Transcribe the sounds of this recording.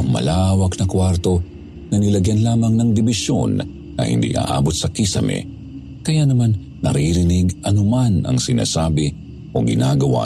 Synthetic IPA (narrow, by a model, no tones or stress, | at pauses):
ŋmɐ̰laːwɐknɐkwaɾt̪o̞ | nɐnɪlɐɡjanlaːmɐŋnɐŋd̪ɪbɪsjo̰nː | ɐ̰hɪ̰nd̪ḭʔa̰ːʔa̰ːbot̪̚sɐkisɐ̰mʔɛ̰ | kɐjanɐmanːɐɾiɾɪnɪɡʔɐnʊmanɐ̰ŋsɪna̰ːsaːbɪ | ʔo̰ɡɪnaːɡɐwa̰